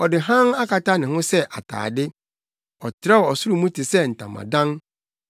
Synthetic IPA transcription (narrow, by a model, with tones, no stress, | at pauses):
ɔ˨dɪ˨ɦã˦ŋa˦ka˨ta˦nɪ̃˨hʊ̃˦sɛ˦ʔa˨tʰa̰ː˨dɪ˦ | ɔ˨tʰɾɛ˦wɔ˨ɔ˨sʊ˦ɾu˨mũ˦ti˨sɛ˦n̩˨tã̰˨mã̰˨dã˦ŋ